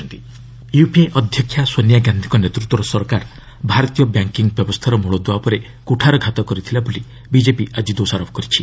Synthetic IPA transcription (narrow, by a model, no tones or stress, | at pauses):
nt̪i | jupieʔɔd̪ʱjɔkʰjasonjaɡand̪ʰʱi̥kɔnet̪ɾut̪ːwɔɾɔsɔɾkaɾ | bʱaɾɔt̪ijɔbjaŋkiŋɡbjɔbɔst̪ʰaɾɔmuɭɔd̪uwapɔɾe | kuʈʰaɾɔɡʱat̪ɔkɔɾit̪ʰilaboli | bid͡ʒepiʔad͡ʒid̪osaɾɔpʰɔ̥kɔɾit͡ʃʰi